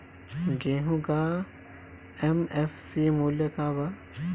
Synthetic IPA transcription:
ɡeːɦũɡa | emefsimulɐkaːba

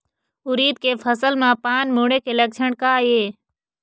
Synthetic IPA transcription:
ʊɾiːd̪̚keːfʰəsəlmãːpaːnmuːɽekeːləɡ̚t͡ʃʰəɳ̃kaːɦeː

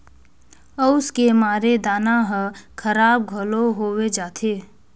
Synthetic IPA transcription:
ɔʊskemaːɾed̪aːnaɦəkʰəɾaːb̚ɡʱoloɦoːwed͡ʒaːt̪ʰeː

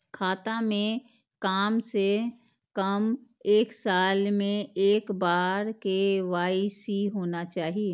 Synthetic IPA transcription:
kʰaːt̪amẽ | kaːmse | kəm | eːksaːlmẽeːkbaːɾkeʋaːisiɦoːnat͡ʃaːɦie

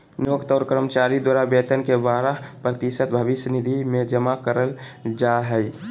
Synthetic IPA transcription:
njoːkt̪əʊɾkəɾəmət͡ʃaːɾid̪waːɾabjeːt̪ənkebaːɾəɦpɾət̪iʃət̪̚bʱəʋɪsnid̪ʱimẽd͡ʒəmakəɾəld͡ʒaɦɛ

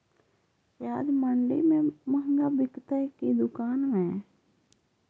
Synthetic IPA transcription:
ʃaːd̪məɳɖḭmẽməŋɡabɪkt̪əkid̪ʊkaːnmẽ

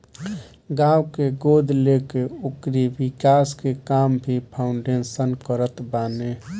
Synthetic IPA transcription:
ɡãwkeɡoːd̪lekeokɾibikaːskekambʱipʰaʊɳɖensənkəɾət̪baːne

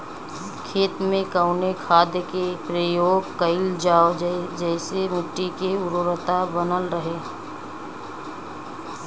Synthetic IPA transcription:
kʰeːt̪mẽkəʊnekʰaːd̪kepɾəjoːɡkəɪld͡ʒaːod͡ʒɛɪsemʊʈːikeʊɾoɾət̪abənəlɾəɦeː

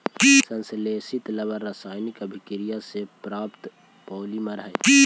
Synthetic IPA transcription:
sə̃nsleːsit̪ləbəɾasaːjnɪkəbʱɪkɾijasepɾaːpt̪ | pɔːlimɐɾəɦe

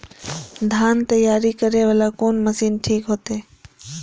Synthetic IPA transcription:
d̪ʱaːnt̪əjaːɾikəɾeʋəlakoːnməsiːnʈʰiːkɦoːt̪eː

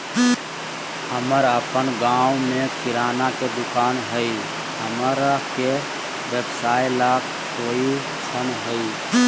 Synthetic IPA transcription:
həməɾəpənɡãumekʰiɾanaked̪ʊkaːnɦəi | ɦəməɾke | bəbsailakʰ | sou | sʰənɦəi

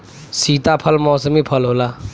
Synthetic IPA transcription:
siːt̪apʰəlmɔːsəmipʰəlɦoːlaː

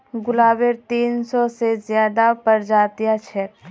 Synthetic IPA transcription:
ɡʊlaːbeɾt̪iːnsɔsezjaːd̪apəɾd͡ʒaːt̪ijat͡ʃʰɛɾ

